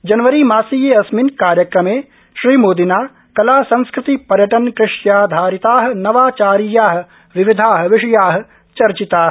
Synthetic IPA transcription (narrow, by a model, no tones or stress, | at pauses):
d͡ʒɐnʋɐɾimaːsiːjeɐsminkaːɾjɐkɾɐmeː | ʃɾiːmoːd̪inaː | kɐlaːsɐ̃nskɾɪt̪ipɐɾjɐʈɐnkɾɪʂjaːd̪ʱaːɾit̪aːɦɐ̆nɐʋaːt͡ʃaːɾijaːɦɐ̆ | ʋiʋid̪ʱaːɦɐ̆ʋiʂɐjaːɦɐ̆ | t͡ʃɐɾt͡ʃit̪aː